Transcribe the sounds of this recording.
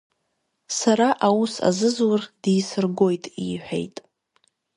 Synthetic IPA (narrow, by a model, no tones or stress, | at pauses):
saɾaʔawusa̰zɨzward̥ijsɨrɡo̞jtʼiħʷᶣḛjtʼ